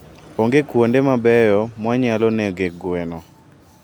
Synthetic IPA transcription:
oŋɡekwondemabɛjɔmwaɲalɔneɡeɡwenɔ

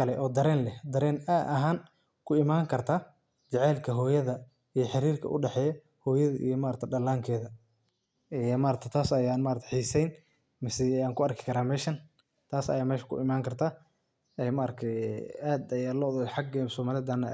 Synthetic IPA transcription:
ɐlɛʔɔːd̪ɐɾɛːnlɛd̪ɐɾɛːnadɐɦaːn | kʰʊɪmaːŋkʰɐrt̪ʰaː | t͡ʃɐʕɛːlkʰɐɦɔːjɐðɐ | ijɔħɪɾiːrkʰɐ̰ʔʊ̰ɖɛħɛːjɐ | hɔːjɐðɐʔḭjɔmaːɾɐkt̪ʰɛɖɐlaːŋkʰɛːðɐ | ɛmaːɾɐk̚t̪ʰɛt̪ʰaːsɐjaːnmaːɾɐk̚t̪ʰħiːsɛjn | mɪsɛaːŋkʰʊɐrkʰɪ̥kʰɐɾaːmɛːʃɐn | t̪ʰaːsɐ̰jaːmɛːʃɐ̥kʰʊ̰ʔɪmaːŋkʰɐrt̪ʰaː | ɛːmaːɾɐk̚t̪ʰɛʔaːd̪ɐjaːlɔðɔħɑɡɛsɔːmaːlɪd̪ɐnːɐ

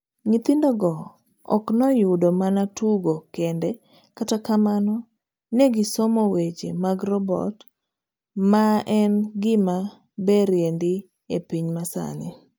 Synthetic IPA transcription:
ŋit̪indɔɡɔ | ɔ̰knɔjʊdomanatuɡokendɛ | katakamanɔ | neɡɪsɔmɔwet͡ʃḛmaɡɾɔbɔ̰t | maɛnɡɪma | beɾjendɪ | epiɲmasa̰nɪ

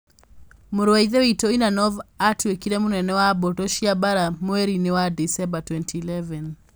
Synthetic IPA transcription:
muɾwaiðɛwitɔinanɔvatʰwekiɾɛmunɛnɛwabɔtɔʃiabaɾamwɛɾinewadisɛmbatwɛntʰiːlɛvɛn

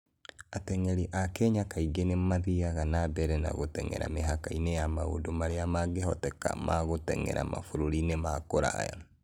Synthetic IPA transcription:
atɛŋɛɾiʔakɛɲakaiɡenemaðiaɣanabɛɾɛna̰ɣotɛŋɛ̰ɾa̰meɦakainejamao̰domaɾeamaɡeɦɔtɛka̰maɣotɛ̰ŋɛ̰ɾa̰mafoɾoɾinemakoɾa̰ja̰

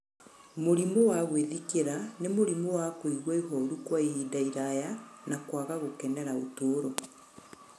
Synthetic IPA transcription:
moɾimowaɣweðikeɾanemoɾimowakoiɣwaihɔɾukwaiiːdaiɾajanakwaɣaɣokɛnɛɾaotoːɾɔ

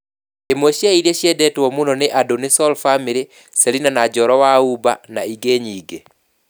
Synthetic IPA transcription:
emoʃaiɾeʃjɛdɛtwɔmunɔnɪʔadonɪsɔlfamiɾi | seɾinanad͡ʒɔɾɔwauba̰na̰iɡeɲiɡe

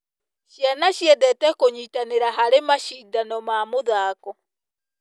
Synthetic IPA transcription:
ʃjanaʃjɛdɛtɛkoɲitaneɾaɦaɾemaʃidanɔmaːmoðaːkɔ

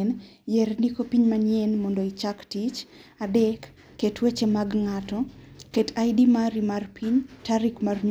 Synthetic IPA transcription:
n | jɛrnikopiɲmanjɛnmɔndoit͡ʃaktit͡ʃadɛkː | etwet͡ʃemaɡŋatɔketʰajdimaɾimarpʰiɲtaɾikmarɲ

